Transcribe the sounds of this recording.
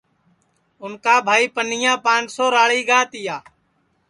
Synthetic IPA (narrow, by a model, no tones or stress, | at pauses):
ʊnkaːbʱaːiːpənɪjãːpãːnt͡ʃsoːɾaːɭiːɡaːt̪ɪjaː